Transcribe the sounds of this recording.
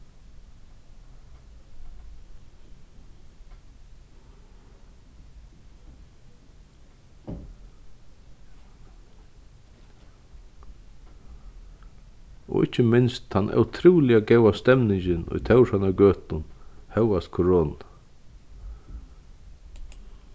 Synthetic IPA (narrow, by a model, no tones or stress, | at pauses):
ɔ̰ʔɪcːəmɪnst̪hanʔa̰wt̪ʰɾuːlɪaɡɛwast̪ɛmnɪɲcɪnʊ̰jt̪ʰɛwʂhanaɡøːt̪ʊnhɛwast̪kʰɔɹoːna